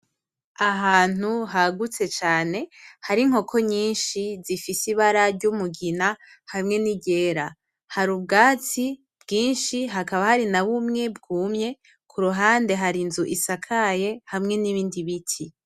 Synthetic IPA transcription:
aɦaːn̥uɦaɡut͡se̞t͡ʃaːne̞haɾiŋ̥ho̞kʰo̞ɲiːnʃizifisiβaɾaɾɟumuɡina | hamŋe̞niɟe̞ːɾa | haɾub̚ɡaːt͡si | bɡiːnʃiɦakaβahaɾinaβumŋe̞bɡuːmɲe̞ | kʰuɾuɦaːnde̞ɦaɾinzuʔisakʰaje̞hamŋe̞niβiːndiβitʰi

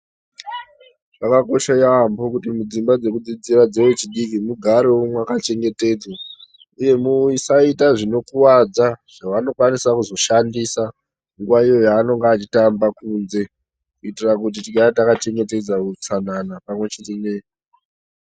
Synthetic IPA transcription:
akako̞ʃajaambokutimud͡zimbad͡ze̞kud͡zid͡ziɾad͡ze̞wet͡ʃiɗikimuɡʱaɾeumwakat͡ʃe̞ŋɡe̞te̞d͡zwa | uje̞muisaitaʐino̞kuwad͡zaʐ̥aʋano̞kwanisakuzo̞ʃandisa | ŋɡuwaijo̞jaːno̞ŋɡaːt͡ʃitambakuːnze̞ | kuitirakut̬itiɡaatakat͡ʃe̞ŋɡe̞te̞d͡zakut͡sananapamwe̞t͡ʃetene

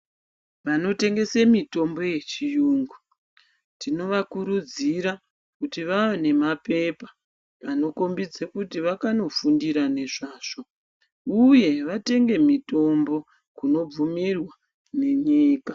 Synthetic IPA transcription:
ʋano̞te̞ŋɡe̞semito̞mbo̞je̞t͡ʃijuːŋɡu | tino̞ʋakuɾud͡ziɾa | kutiʋaone̞mape̞pḁ | ano̞ko̞mbid͡zekutiʋakano̞fundiɾane̞ʐaːʐ̥o̞ | uje̞ʋate̞ŋɡe̞mito̞mbo̞ | kuno̞b͡vumirwa | ne̞ɲiːka

